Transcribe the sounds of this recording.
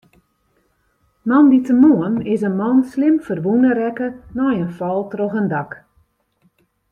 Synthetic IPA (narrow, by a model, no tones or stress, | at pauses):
nɔnditəmoənɪsənmɑnslɪmfərʋunərɛkənɔjənfɔlˠtrɔxəndɑk